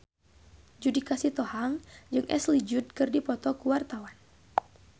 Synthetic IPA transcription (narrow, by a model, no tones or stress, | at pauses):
d͡ʒudikasit̪ɔhaŋd͡ʒɨŋʔɛ̰slid͡ʒud̪̚kɨrdipɔt̪ɔkuwart̪awan